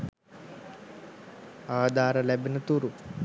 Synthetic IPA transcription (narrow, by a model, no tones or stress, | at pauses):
aːd̪ʱaːɾɐlɛbinɐt̪uɾu